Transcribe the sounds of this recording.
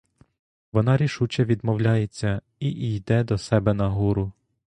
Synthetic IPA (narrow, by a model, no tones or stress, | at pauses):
ʋɔnɑɾʲiʃut͡ʃɛʋʲid̪mɔwlʲajet͡sʲːɐ | iʔijd̪ɛd̪ɔsɛbɛnɐɦuɾʊ